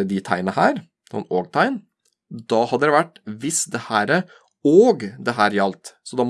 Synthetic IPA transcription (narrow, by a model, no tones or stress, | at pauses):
əd̪ɪt̪ʰæɪnəhæːɾ | sɔ̰nːoːɡt̪ʰɑɪn | d̪ɑːhɑd̪ːədɾɛʋæʈːʋɪsd̪ɛhæːɾə | oːɡd̪ɛɦæːɾjɑlt̪sɔd̪ɑːm